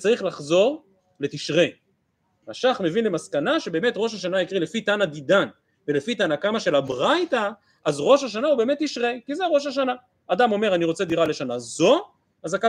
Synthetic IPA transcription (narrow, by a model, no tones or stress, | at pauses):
t͡saʁiχlaχzo̞ʁ | le̞t̪iʃʁe̞ | aʃaχme̞vinlemaskanaʃe̞be̞ːmet̪ʁo̞ʃ̬aʃanaikʁilefit̪anad̪idan | ve̞lefitanakamaʃe̞labʁajta | azʁo̞ʃaʃ̬anaube̞ːme̞t̪ːiʃʁe̞kizeʁo̞ʃaʃ̬ana | ad̪amo̞me̞ʁaniʁo̞t͡se̞d̪iʁale̞ʃanazo̞ | azaka